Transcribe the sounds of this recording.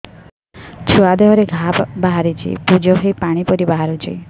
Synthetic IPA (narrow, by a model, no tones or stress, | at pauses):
t͡ʃʰuad̪eɦɔɾeɡʱapbaɦaɾit͡ʃʰḭpud͡ʒɔɦjpaɽ̃ipɔɾibaɦaɾut͡ʃʰɔ̰j